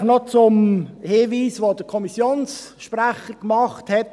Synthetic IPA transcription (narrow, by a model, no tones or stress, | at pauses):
nɔt͡sʊmhɪːviːsʋod̥əkʰɔmisjoːnsʃpræχəkmɑχthɛt